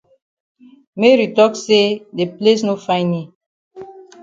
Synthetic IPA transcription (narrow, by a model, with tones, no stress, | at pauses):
me˦ɾi˨tɔ˦kse˦de˨ple˦s̬no˦fã˦ni˦